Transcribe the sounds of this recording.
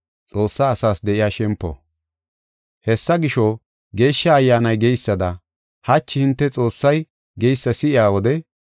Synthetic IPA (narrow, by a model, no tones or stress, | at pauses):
t͡sʼo̞ːsːaːsaːsd̪ɛʔɪjaːʃɛmpːɔ̰ | hɛsːɐɡɪʃɔ | ɡe̞ːʃːɐːjːaːnɐjɡejsːɐd̪ɐ | hɐt͡ʃːɪhɪnt̪ːɛt͡sʼo̞ːsːɐj | ɡejsːɐsɪɪjaːwɔd̪ɛ